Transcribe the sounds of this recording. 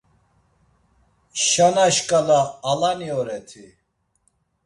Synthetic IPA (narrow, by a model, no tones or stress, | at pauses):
ʃanaʃkʼalaːlaniɔɾɛt̪ʰi